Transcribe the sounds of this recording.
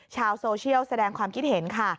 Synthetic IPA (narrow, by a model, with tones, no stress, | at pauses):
t͡ɕʰaː˧wsoː˧t͡ɕʰi˥˩əwsa˧dɛː˧ŋkʰwaː˧mkʰi˦˥t̪̚he˩˦nkʰa˥˩